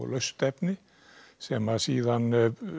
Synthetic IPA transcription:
lœɥst̪ɛpnɪ | sɛmasiːðan

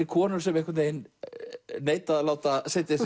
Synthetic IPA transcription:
ɪkʰɔːnʏɾ̥sɛmehkvant̪ejn | neːjt̪aðlaːwt̪asɛt̪ɪs

